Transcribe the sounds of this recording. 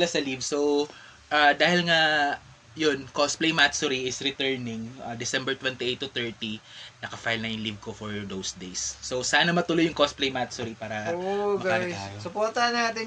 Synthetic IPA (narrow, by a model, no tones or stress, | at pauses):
lasɐlivsow | ʔad̪aːhɪlŋa | jonkosplejmat̪sʊɾiɪsɾɪt̪ɛɹnɪŋɐd̪ɪsɛ̃mbɛɹt̪wɛnt̪iʔejt̪ːʊt̪ɛɹt̪inɐkɐfajlnɐjʊŋlivkofoɹd̪owsd̪ejsːosaːnɐmɐt̪ʊlojːʊŋkosplejmat̪sʊɾipaːɾɐoɐɡajsʊpoɾt̪ɐhɐnːaːt̪ɪ